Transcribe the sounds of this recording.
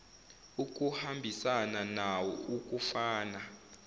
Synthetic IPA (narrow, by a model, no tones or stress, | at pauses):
uk̬ʼuhambʱisananawɔuk̬ʼufaːna